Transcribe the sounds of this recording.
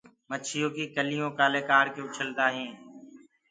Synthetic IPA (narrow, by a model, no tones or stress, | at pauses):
mət͡ʃʰɪjõːkikəlɪjõːkaːleːkaːɽkeʊt͡ʃʰəld̪aːɦẽː